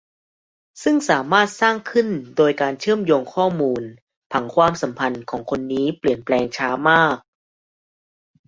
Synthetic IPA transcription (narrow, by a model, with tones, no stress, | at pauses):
sɯ˥˩ŋsaː˩˦maː˥˩t̪̚saː˥˩ŋkʰɯ˥˩ndoː˧jkaː˧nt͡ɕʰɯ˥˩əmjoː˧ŋkʰɔː˥˩muː˧n | pʰa˨˩˦ŋkʰwaː˧msa˩˦mpʰa˧nkʰɔː˩˦ŋkʰo˧nːiː˦˥pli˨˩ənplɛː˧ŋt͡ɕʰaː˦˥maː˥˩k̚